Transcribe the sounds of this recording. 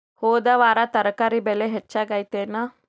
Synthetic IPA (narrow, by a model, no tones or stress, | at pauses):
hoːd̪ɐʋaːɾat̪ɐɾɐkaɾibeleɦet͡ʃːaɡajt̪ena